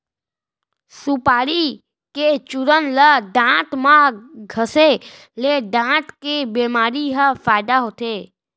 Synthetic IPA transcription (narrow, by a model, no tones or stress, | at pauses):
sʊpaːɾi | ket͡ʃʊɾənləɖãːʈ̪mãɡʱəse | leɖãːʈ̪kebeːmaːɾiɦəfaːɪd̪aɦoːt̪eː